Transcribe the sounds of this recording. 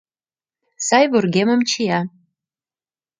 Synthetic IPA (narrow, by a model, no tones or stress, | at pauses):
sɑjβurɣemə̆mt͡ɕijɑ